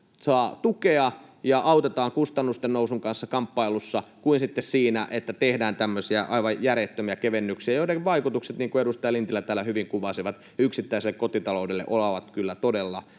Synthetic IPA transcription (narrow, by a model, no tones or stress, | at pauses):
sɑːt̪ukeɑjɑʔɑwt̪et̪ɑːŋkust̪ɑnːust̪ennousuŋkɑnsːɑkɑmpːɑilusːɑkuinsit̪ːessiːnæʔet̪ːæt̪ehdæːnt̪æmːøsiæʔɑiʋɑjjæret̪ːømiækeʋenːyksiæjoinekʋʋɑikut̪ukset̪niːŋkuedust̪ɑjɑlint̪ilːæt̪æːlːˑæhyʋiŋkuʋɑsiʋɑt̪ | yksit̪ːæiselːekːot̪it̪ɑloudelːḛʔolɑʋɑt̪kylːæt̪odelːɑ